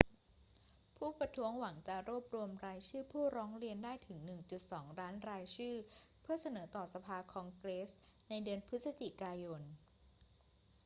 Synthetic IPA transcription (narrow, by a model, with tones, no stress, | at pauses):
pʰuː˥˩pɾa˧t̪ʰu˦˥əŋwa˩˦ŋt͡ɕa˨˩ɾuː˥˩əp̚ɾu˧əmɾaː˧jt͡ɕʰɯː˥˩pʰuː˥˩ɾɔː˦˥ŋɾi˧əndaː˥˩jt̪ʰɯ˩˦ŋnɯ˨˩ŋt͡ɕu˨˩t̪̚sɔː˩˦ŋɾaː˦˥nɾaː˧jt͡ɕʰɯː˥˩pʰɯ˥˩ɐsa˧nɤː˩˦t̪ɔː˨˩sa˧pʰaː˧kʰɔː˧ŋkɾeː˦˥sna˧jdɯ˧ənpʰɯ˦˥t̪̚sa˧t͡ɕi˨˩kaː˧jo˧n